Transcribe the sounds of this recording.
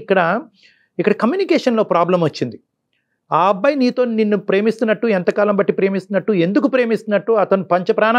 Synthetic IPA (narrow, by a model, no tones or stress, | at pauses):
kːɐɽɐ | ikːɐɽɐkɐmjuːnikɛːʂɐnlo̞ːpɾaːblɐmʋɐt͡ʃːind̪i | aːɐbːɐjniːt̪o̞ːninːupɾe̞ːmist̪unːɐʈːuɛnt̪ɐkaːlɐmbɐʈːipɾe̞ːmist̪unːɐʈːue̞nd̪ukupɾe̞ːmist̪unːɐʈːuɐt̪ɐnupɐɲt͡ʃɐpɾaːna